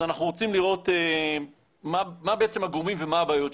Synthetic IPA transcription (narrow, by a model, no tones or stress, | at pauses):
anaχnuʁot͡simliʁo̞te | mamabeet͡se̞maɡʁumimvemaabaːjo̞t